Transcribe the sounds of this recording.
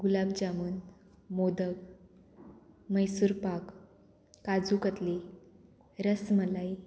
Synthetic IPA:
ɡulabd͡ʑamuːn | mod̪əɡ | məjsuɾpakː | ad͡zukət̪li | ɾəsməlaj

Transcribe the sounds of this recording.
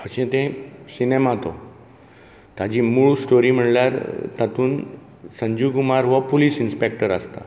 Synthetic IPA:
əɕɛ̃t̪ɛ̃sinemat̪o̰ | t̪ad͡ʑimuɭsʈoɾiːm̤əɽljaɾt̪at̪uːn | səɲd͡ʑukumaɾʋəpoliːsinspek̚ʈəɾast̪a̰

